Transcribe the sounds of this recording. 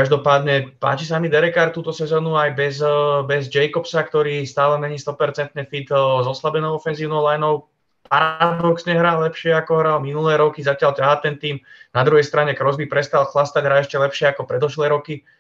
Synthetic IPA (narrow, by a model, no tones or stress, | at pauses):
kaʒd̪ɔpaːd̪ɲɛpa̰ːt͡ʃis̬amid̪ɛɾɛkaːɾt̪uːt̪ɔsɛzɔːnuajbɛzbɛzd͡ʒɛjkɔpsakt̪ɔɾiːst̪aːlɛmɛɲiːst̪ɔpɛɾt͡sɛnt̪ɲɛfit̪zɔslabɛnɔʊɔfɛnziːʊnɔʊlajnɔʊ | paɾad̪ɔksɲɛɦɾaːlɛpʃɪɛakɔɦɾalminulɛːɾɔkizacɪalcaɦat̪ɛnt̪iːmnad̪ɾuɦɛjst̪ɾaɲɛkɾɔzbipɾɛst̪alˠxlast̪aɟɦɾaːɛʃcɛlɛpʃɪɛakɔpɾɛd̪ɔʃlɛːɾɔki